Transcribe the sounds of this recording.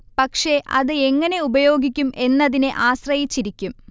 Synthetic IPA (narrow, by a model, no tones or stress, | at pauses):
pɐkʂe̞ʔɐðɨe̞ŋːɐne̞ubɐjo̞ːɡikʲːumʔe̞nːɐðineʔaːɕrɐjit͡ɕːiɾikʲːum